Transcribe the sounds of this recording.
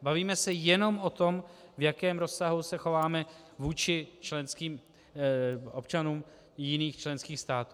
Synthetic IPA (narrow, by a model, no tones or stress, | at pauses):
baviːmɛsɛjɛno̞mʔo̞t̪o̞mvjakɛːmɾo̞sːaɦusɛxo̞vaːmɛvuːt͡ʃɪt͡ʃlɛnskiːm | ʔo̞pt͡ʃanuːm | jɪniːxt͡ʃlɛnskiːxst̪aːt̪u